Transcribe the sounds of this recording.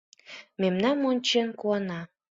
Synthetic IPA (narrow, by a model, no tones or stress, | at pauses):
memnɑnːonʲt͡ɕenkuɑnɑ